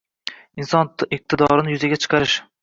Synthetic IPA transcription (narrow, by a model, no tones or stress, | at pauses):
ɪnsɒnɪq̚t̪ʰɪd̪ɒɾɪnɪjʊzaɡʲat͡ʃʰɨ̥qʰɑɾɪʃ